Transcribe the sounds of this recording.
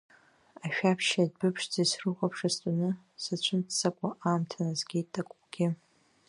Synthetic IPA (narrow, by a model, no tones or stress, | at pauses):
aʃᶣapʰʃadbɨpʰʂd͡zisrɨχʼapʰʂastʷʼunɨ | sat͡ɕʷʰɨntʰsakʷʼaʔaːmtʰanazɡʲitʼːakʷʼʊɡ̥ʲɪ